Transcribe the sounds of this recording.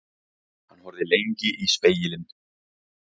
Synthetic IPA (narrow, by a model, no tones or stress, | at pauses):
hanːhɔɾðɪlejɲcɪʔispeːjɪlɪn